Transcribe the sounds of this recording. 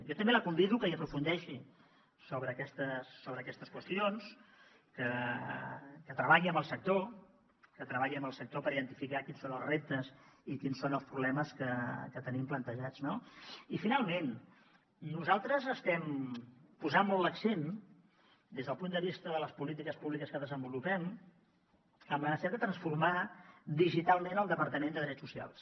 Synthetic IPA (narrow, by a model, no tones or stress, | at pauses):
jɔt̪əmbeləkumbiðukəiəpɾufund̪ɛʃi | soβɾəːkɛst̪əsːoβɾəːkɛst̪əskwəst̪ions | kə | kət̪ɾəβaʎiəmbəlˠsək̚t̪o | kət̪ɾəβaʎiəmbəlˠsək̚t̪opəɾiðənt̪ifikakinsonəlˠzrep̚t̪əsikinsonəlˠspɾuβlɛməskəkət̪ənimplənt̪əʒad͡znoifinalˠmen | nuzalˠt̪ɾəzəst̪ɛm | puzanmɔlˠtləksen | d̪ezðəlˠpund̪əβist̪əðələspulit̪ikəspuβlikəskəðəzəmbulupɛm | əmənəsɛad̪ət̪ɾənsfurmad̪iʒit̪alˠmenəlˠd̪əpəɾt̪əmend̪əðɾɛt͡ssusia̰lˠs